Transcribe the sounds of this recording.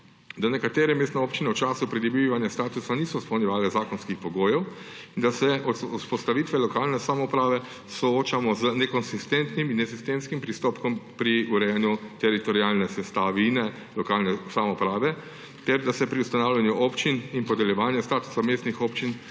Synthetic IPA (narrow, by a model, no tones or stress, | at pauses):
d̪anɛkat̪eːɾɛmeːst̪nɛoːpt͡ʃinɛwt͡ʃaːsupɾid̪ɔbiiʋanjast̪aːt̪usaniːsɔspɔwnʲjɛʋaːlɛzaːkɔnskixpɔɡoːjɛw | ind̪asɛʔɔuspɔst̪aʋiːt̪ʋɛlɔkaːlnɛsamɔupɾaːʋɛ | sɔoːt͡ʃamɔznɛkɔnsist̪ɛnt̪niminːɛsist̪eːmskimpɾist̪oːpkɔmpɾiuɾɛjɛnjut̪ɛɾit̪ɔɾiaːlnɛsɛst̪aːʋinɛ | lɔkaːlnɛsamɔpɾaːʋɛ | t̪ɛɾd̪asɛpɾiust̪anaːwlʲjanjuʔɔpt͡ʃininpɔd̪ɛljɛʋaːnjast̪aːt̪u̥sameːst̪nixɔːpt͡ʃin